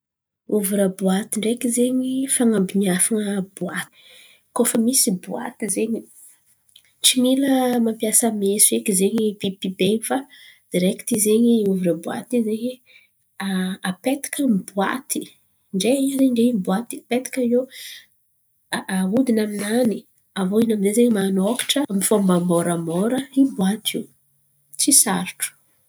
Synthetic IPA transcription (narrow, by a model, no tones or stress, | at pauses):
uvuɾəbuat̪iɳɖ͡ʐekizeɲifaŋambiniafaŋəb̥uat̪i̥ | kofəmisibua̰t̪izeɲi | ʈ͡ʂimiləmampjasəmesuekizeɲipipibefad̪̥iɾeki̥t̪izeɲiuvuɾəbua̰t̪izeɲi | aapet̪i̥kəmbua̰t̪i | ɳɖ͡ʐeiazeɲɳɖ͡ʐeimbuat̪iapet̪i̥kʲae | aud̪inaminani | avoinamizezeɲmanokḁʈ͡ʂəmifombamɔɾamɔɾəibwat̪ʰiw | t͡sisaɾʈ͡ʂu̥